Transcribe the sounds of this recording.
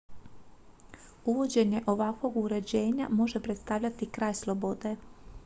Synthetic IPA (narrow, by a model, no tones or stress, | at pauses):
uʋo̞d͡ʑe̞ɲe̞ʔo̞ʋakʋo̞ɡuɾe̞d͡ʑe̞ːɲa̰mo̞ʒepɾe̞t̪st̪aʋʎʲat̪ikɾaːjslˠo̞bo̞d̪e̞